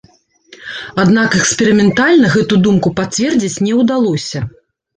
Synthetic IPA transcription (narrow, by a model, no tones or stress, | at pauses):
ad̪nakɛkspʲɛɾɨmʲɛnt̪alʲnɐɣɛt̪ud̪umkupat̪t͡sʲvʲɛrd͡zʲit͡sʲnʲɛwd̪alˠɔsʲɐ